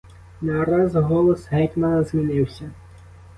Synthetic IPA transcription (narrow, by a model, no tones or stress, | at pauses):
nɑɾɑzɦɔlˠɔsɦɛjt̪mɐnɐzmʲinɪwsʲɐ